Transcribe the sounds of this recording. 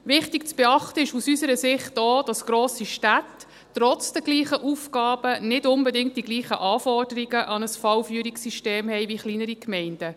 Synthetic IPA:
ʋɪχtik̚t͡sb̥ɛɑχtəɪʃusysəɾəsɪχtoːd̥ɑsɡ̥ɾoːsiʃtætː | ɾɔt͡sd̥ɛɡ̥liːχəʔufɡɑːb̥ənɪdʊnbɛdɪŋt̚d̥iɡliːχəʔɑːfɔrd̥əɾiɡəʔɑnəsfɑwfyːɾiksiʃteːmhɛɪʋiχliːnəɾikmɛɪnd̥ə

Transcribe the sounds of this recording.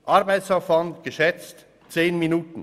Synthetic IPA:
ʔaʁbaɪtsaʊfv̥antɡ̥əʃɛt͡st | t͡seːnminuːtn̩

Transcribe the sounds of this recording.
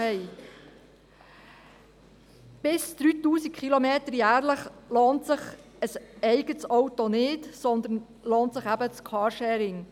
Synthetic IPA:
ɛɪ | b̥ɪsd̪̥ɾyːt̪uːsik̚kʰχilomeːt̪əɾjæːɾləχloːntsəχ | əsɛɪɡətsɔwtɔnɪːtsɔnd̪ən | loːntsəχæbət͡skʰɑːɾʃɛːɾɪŋ

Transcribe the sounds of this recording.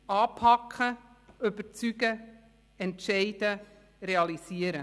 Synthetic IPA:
ɑːpʰɑkʰχə | ʏbət͡syɡə | ɛntʃɛɪd̥ə | ɾeɑlisiəɾə

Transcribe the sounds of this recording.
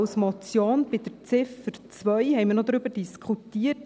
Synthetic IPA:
wsmɔt͡sjonb̥ɪd̥əɾt͡sɪfəɾt͡sʋœʏhɛɪjmɪɾnod̪ɾʏbəɾd̥iskʰχutiːət

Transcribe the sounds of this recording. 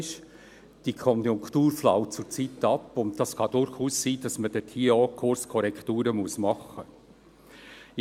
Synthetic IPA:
ɪʃ | d̥ikʰɔnjʊŋktuːɾflawt͡sʊɾt͡sitːɑpːʊntdɑskɑdʊɾχuːssiːd̥ɑsməd̥ɛtʰhiəɔːkʰʊɾskʰɔɾɛktuːɾəmuəsmɑχə

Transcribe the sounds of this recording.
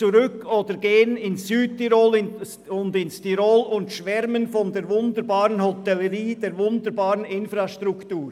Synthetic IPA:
t͡suɾʏkʰoːdəɾɡ̥eːənɪnsːyːt̚tiɾoːlɪn | ʊndɪnstiɾoːlʊntʃvɛɾmənfɔndeːɾvʊndəɾbaːɾənhɔtɛləɾiːd̥eːɾvʊndəɾbaːɾənɪnfraʃtrʊktuːɾ

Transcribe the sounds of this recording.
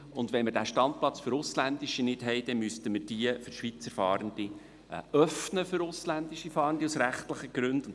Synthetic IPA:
ʊnd̪ʋɛnməɾd̥æːʃtɑnt̚plɑt͡sfʏɾʊslænd̪iʃinɪd̥ɦɛɪd̥ɛnmystəməɾd̥iəfʏɾʃʋit͡səɾfɑːɾənd̪̥i | œfnəfʏɾʊslænd̥̪iʃifɑːɾəndiusɾæχtləχəɡ̥ɾʉnd̥

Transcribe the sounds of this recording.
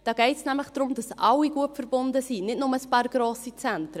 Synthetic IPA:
d̥ɑːɡɛɪtsnæmləχd̥ɾʊmd̥ɑsʔɑlːiɡuətfəɾbʊndəsiːnɪtnʊməspɑːɾɡ̥ɾoːsit͡sɛntɾə

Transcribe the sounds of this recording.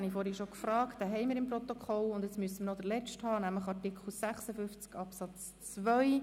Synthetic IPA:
ɑnifɔːɾhɛʃokfrɑːktd̥ɛɦɛɪmiːɾɪmprɔt̪okʰɔlʊnd̪ɛt͡smyəsəmənɔd̥̪əlɛt͡ʃthɑːnæmləχɑrtikχl̩sæχsəfʏnft͡skɑpsɑt͡s | t͡svʋœj

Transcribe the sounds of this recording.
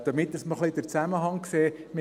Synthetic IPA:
d̪̥əmɪt̪ːəsməχlɪd̥̪əɾt͡sæməɦɑŋkseː | mɪ

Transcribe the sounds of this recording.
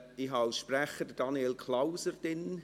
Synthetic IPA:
ɪhɦɑʃpræχəd̥əd̥ɑnjelkʰlaʊsəɾd̥ɪn

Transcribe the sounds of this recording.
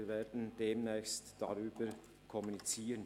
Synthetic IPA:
veːdn̩d̥eːmnɛːçstd̥a̰ʁyːb̥əɾ | kʰɔmunit͡siːʁən

